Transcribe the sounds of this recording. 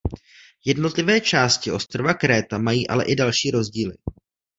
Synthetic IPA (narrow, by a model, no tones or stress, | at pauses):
jɛdno̞t̪lɪvɛːt͡ʃaːscɪo̞st̪ɾovakɾɛːt̪amajiːʔa̰lɛ̰ʔɪdalʃiːɾo̞zɟiːlɪ